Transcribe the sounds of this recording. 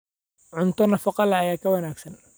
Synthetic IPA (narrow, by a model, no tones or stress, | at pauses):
ʕʊnt̪ɔnɑfɑqɑlʕajaːkʰɐwɐnaːksɐn